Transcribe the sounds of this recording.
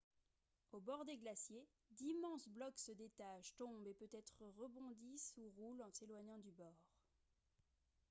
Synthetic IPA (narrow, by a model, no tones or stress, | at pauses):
obɔʁd̪eɡlasje | d̪imɑ̃sblɔksəd̪et̪aʃt̪ɔ̃bepøt̪ɛt̪χəʁəbɔ̃d̪isuʁulɑ̃selwaɲɑ̃d̪ybɔːʁ